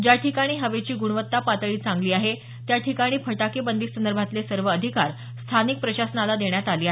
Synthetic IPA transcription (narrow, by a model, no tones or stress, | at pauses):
d͡ʑjaʈʰikaɽ̃iːɦəʋet͡ɕiːɡuɽ̃ʋət̪ːapat̪əɭiːt͡sãŋɡliːaɦe | t̪jaʈʰikaɽ̃iːfʰəʈakebənd̪iksənd̪əɾbʱat̪lesəɾʋəːd̪ʱikaɾ | st̪ʰanik̚pɾəɕasənalad̪eɳjat̪aliːa